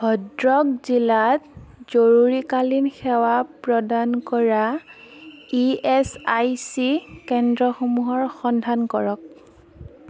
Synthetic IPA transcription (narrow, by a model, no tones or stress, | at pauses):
ɡʱɔdɹɔk̚zilatz̥oɹuɹikalinxɛwapɹɔdankɔɹa | iɛsajsikɛndɹɔxomuɦɔɹxɔndʱankɔɹɔk̚